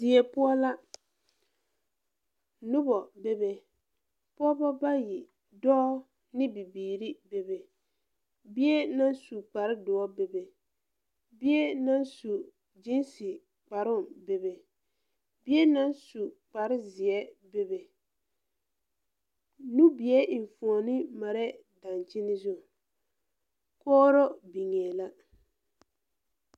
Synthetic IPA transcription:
dɪ˨ɛ˨pʊ˦ɔ˦la˦ | nʊ˦bɔ˨be˦be˨ | pɔ˦bɔ˦ba˦ji˨ | dɔː˦ | nɪ˦bi˨biː˨ɾi˦be˨be˨ | bɪ˦ɛ˦na˦nsu˨k͡pa˨ɾɪ˦dʊ˨ɔ˦be˨be˨ | bɪ˦ɛ˦na˦nsu˨ | d͡ʒi˦nsɪ˨ | k͡pa˨ɾʊ˦˨be˨be˨ | bɪ˦ɛ˦na˦n˦su˨k͡pa˨ɾɪ˦zɪ˨ɛ˦be˦be˨ | nu˦bi˨ɛ˦ʔɱ˨fu˨ɔ˨nɪ˦ma˨ɾɛ˦ | da˨nt͡ʃɪ˦nɪ˦zʊ˦˨ | kɔː˦ɾɔ˦bi˨ŋɛ˨la˦

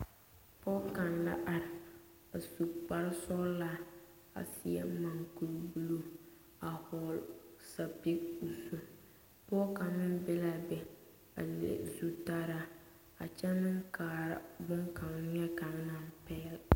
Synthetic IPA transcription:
pɔ˦ka˨nla̰˦ʔa˨ɾɪ˨ | a˨su˨k͡pa˨ɾsɔ˦la˦ | a̰˨si˦ɛ̰˦ma˨ŋku˨ɾbu˨lu˦˨ | a˨hɔ˨lsa˨pi˦ku˨so˦ | pɔ˦ka˨nːɨ˦n˦bɛ˦la˦bɛ˨ | a̰˨lḛ˨zu˨ta˦ɾa˦ | a˨t͡ʃɛ˦nɨ˦ŋkaː˨ɾa˦bʊ˦ŋka˨ŋ˦ɲɛ˦ka˨n˦na˦˨mpɛː˦l

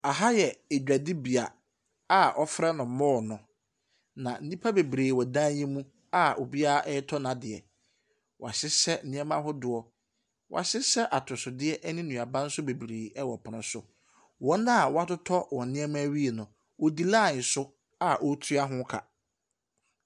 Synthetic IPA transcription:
a˨ɦa˦jɛ˨e˨d͡ʑᶣa˨dɪ˦bi˨a˨ | a˦ʔɔ˦fɾɛ˦nʊ̃˨mɔ̃ː˦˨nʊ̃˨ | nã˨n̩˦nĩ˦pʰa˦be˨bɾeː˨wɔ˨dãː˦jɛ̃˦mũ˦ | a˦o˨bi˦a˦ʔɛ˦tʰɔ˦nã˨dɪ˨ɛ̰˨ | wʔɔ˨a˨ɕɪ˦sɛ˦n̩˦nɪ̃˦ɛ˦mã˦ɦʊ˦dʊ˨ɔ˨ | wɔ̰˨a˨ɕɪ˦sɛ˦ʔa˨tʰʊ˨sʊ˨dɪ˦ɛ˦ʔɛ˦nɪ̃˦nũ˨a˨bã˦n̩˦sʊ˦be˨bɾeː˨ɛ˦wɔ˨pʰʊ˨nʊ̃˨˦sʊ̰˦ | wɔ̃˦nã˦˨wɔ˦a˦tʊ˦tʰɔ˦wɔ̃˨n˨nɪ̃˦ɛ˦mã˦ɥi˦e˨nʊ̃˨ | wɔ˨di˦la˦˨sʊ˦ | a˦ʔo˦tʰu˦a˦ɦʊ̃˦kʰa̰˨

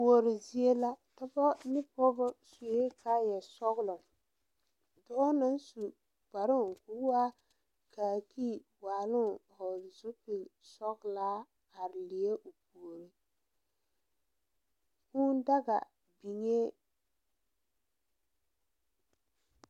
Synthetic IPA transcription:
po˨ɾɪ˨zi˦e˦la˦ta˦bɔ˦nɪ˦pɔ˦bɔ˦su˨e˦ka˦jɛ˨sɔ˦ɣlʊ˨ŋ | dɔ˦na˦n˦su˨ | ba˨ɾɪ˦ŋ˨ku˨˦waː˦ | kaː˨ki˦˨ | waː˨lʊ˦ŋhɔ˨zu˦pi˨lsɔ˦ɣlaː˦ | a˨ɾɪ˨lɪ˨je˦ʔo˨pu˨o˨ɾi˦ | kuː˦n˦da˦ɡa̰˨ | bi˨ɲe˦

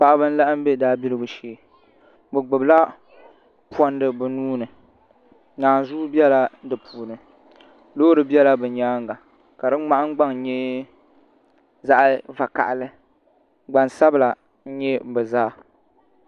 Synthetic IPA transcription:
pa˨ʔa˦bɨ˦n̩˦la˦ʔɨ˦m˦be˦daː˦bi˦ɾɨ˦bu˨ʃeː˨ | bɨ˨ɡ͡bɨ˨bla˦ | pɔ˦n˦dɨ˨bɨ˨nuː˦nɨ˨ | naː˨n˨zu˦bi˦ɛ˦la˦dɨ˨pʰuː˨nɨ˨ | loː˦ɾɨ˨bi˦ɛ˦la˦bɨ˨˦ɲaː˦ŋɡa˨ | ka˨dɨ˦ŋ͡ma˦ʔa˦ŋ˦ɡ͡ba˦ŋ˨ɲɛ˦ | za˦ʔva˨ka̰˨ʔlɨ˦ | ɡ͡ba˨nsa˦bɨ˨la˨ | n̩˦ɲɛ˦bɨ˨zaː˦

